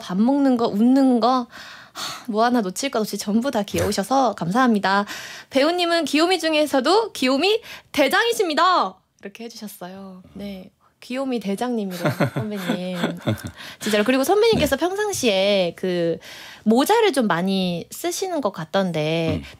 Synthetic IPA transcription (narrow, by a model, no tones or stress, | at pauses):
pamːoŋnɯnɡʌʔunːɯnɡʌ | amuɦananot͡ɕʰiɭk͈ʌnot͡ɕʰit͡ɕʌmbudakiʌuɕʰʌsʰʌkamsʰaɦamɲidape̞uɲːimɯnkiomid͡ʑuŋe̞sʰʌdokiomite̞d͡ʑaŋiɕʰimɲida | iɾʌkʰe̞he̞d͡ʑuɕʰʌs͈ʌjone̞ | kiomite̞d͡ʑaŋɲimiɾasʌnmeɲːim | t͡ɕʰint͡ɕ͈aɾokɯɾiɡosʰʌmːeɲːimk͈esʰʌpʰjʌŋsʰaŋɕʰie̞kɯ | mod͡ʑaɾɯɭt͡ɕomːaɲis͈ɯɕʰinɯnɡʌk͈at̚t͈ʌnde̞